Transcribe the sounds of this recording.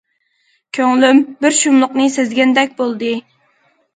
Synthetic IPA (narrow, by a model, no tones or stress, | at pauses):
kʲʰøŋlymbɪɾʃumlˠʊqnɨsɪzɡʲɛnd̪ɛk̚ʲbolˠd̪ɨ